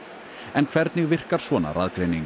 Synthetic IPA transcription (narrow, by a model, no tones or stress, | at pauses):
ɛnkʰv̥ɛɾt̪nɪɣvɪr̥kaɾ̥svɔːna̰raðkɾeːjniŋ